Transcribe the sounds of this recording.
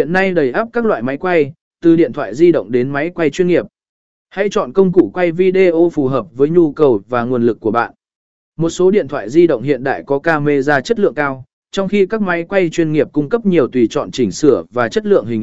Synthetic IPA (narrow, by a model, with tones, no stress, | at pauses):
ḭ˧˨ənːa˧jɗə˨˩jʔaː˦˥p̚kaː˦˥k̚la̰ː˧˨jma˨˦jkwa˧j | t̪ɨ˨˩ɗḭ˧˨ənt̪ʰwa̰ː˧˨jzi˧ɗə̰˧˨wŋ͡mɗe˨˦nma˨˦jkwa˧jt͡ɕwi˧ənŋi˨˩əp̚ | ha̰˧˥jt͡ɕɔ̰˧˨nkə˧wŋ͡mkṵ˧˩kwa˧jvi˧ɗe˧ʔo˧fu˨˩ɦəː˨˩p̚vəː˨˦jɲu˧kə˨˩wvaː˨˩ŋu˨˩ənlɨ˨˩kːu˧˩əɓa̰ː˧˨nʔ | mo˨˩t̚so˨˦ɗḭ˧˨ənt̪ʰwa̰ː˧˨jzi˧ɗə̰˧˨wŋ͡mhḭ˧˨ənɗa̰ː˧˨jkɔ˨˦kaː˧me˧zaː˧t͡ɕə˦˥t̚lɨ̰˧˨əŋkaː˧w | t͡ɕɔ˧wŋ͡mxi˧kaː˦˥k̚ma˨˦jkwa˧jt͡ɕwi˧ənŋi˨˩əp̚kʊ˧ŋ͡mkə˦˥p̚ɲi˨˩əwt̪wi˨˩t͡ɕɔ̰˧˨nt͡ɕï˧˩ŋ̟sɨ˧˩əvaː˨˩t͡ɕə˦˥t̚lɨ̰˧˨əŋhï˨˩ŋ